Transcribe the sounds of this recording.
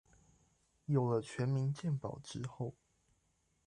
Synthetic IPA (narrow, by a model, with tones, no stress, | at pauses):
jo˨˩ʊlə˦t͡ɕʰɥɛ˧˦nmi˧˦nt͡ɕjɛ˥˨npɑ̰˨˩ʊʈ͡ʂɻ̩˦xo˥˨ʊ